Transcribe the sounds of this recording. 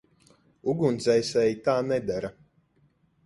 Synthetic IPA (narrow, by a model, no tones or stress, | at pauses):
uɡunt̪zɛjsɛjit̪aːnɛd̪aɾa